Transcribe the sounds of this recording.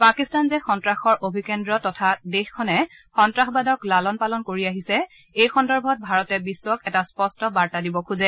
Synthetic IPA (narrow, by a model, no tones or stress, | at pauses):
pakistanzɛxɔntɹaxɔɹʔobʱikɛndɹɔtɔtʰadexkʰɔnɛxɔntɹaxbadɔklalɔnpalɔnkoɹiaɦisɛ | ejxɔndɔɹbʱɔt̚bʱaɹɔtɛbisːwɔkɛtaspɔstɔbaɹtadibɔkʰuzɛ